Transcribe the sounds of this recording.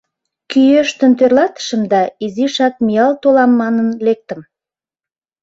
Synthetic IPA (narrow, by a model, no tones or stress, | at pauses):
kyjøʃt̪ø̆nt̪ørlɑt̪ə̥ʃə̆md̪ɑiziʃɑk̚mijɑlt̪olɑmːɑnənlek̚t̪ə̆m